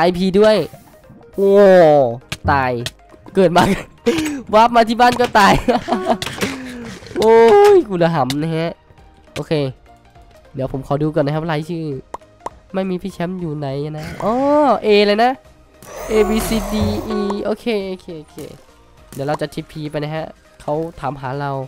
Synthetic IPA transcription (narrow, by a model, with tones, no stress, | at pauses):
ʔa˧˩jpʰiː˧du˥˩əj | ʔo˧˩ | t̪aː˨j | kɤː˨˩t̪̚maː˧˩k | waː˦˥˩p̚maː˧t̪ʰiː˧˩baː˧˥˩nkɔː˥˩t̪aː˨˩j | o˧jku˧˨la˨˧ɦa˨˦mna˧hɛ˧˥ʔ | ʔoː˧kʰeː˧ | diː˨˦pʰo˨˦mkʰɔː˨˦duː˧kɔː˧˩naː˧kʰa˧˥p̚la˧˥jt͡ɕʰɯː˧˩ | ma˧˥˩jmiː˧pʰiː˦˧˥t͡ɕʰɛ˧˦˥mjuː˨˩na˨˦ja˧na˦˧˥ʔɔː˧˦ʔeː˧laː˧jna˦˥ʔ | ʔeː˧biː˧siː˧diː˧ʔiː˧ʔoː˧kʰeː˧˩ʔoː˧kʰeː˧ʔoː˧kʰeː˧˩ | diː˨˦wɾa˧wt͡ɕa˨˩t̪ʰi˧˩pʰiː˧˦pa˧jna˧jɦa˧˥ʔ | kʰa˦˥˩wt̪ʰaː˨˦mɦaː˩˦ɾa˧w